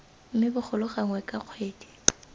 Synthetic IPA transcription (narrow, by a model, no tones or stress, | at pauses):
m̩mɪbʊk͡xʰʊlʊχaŋwɛkʼaq͡χʰweːdi̥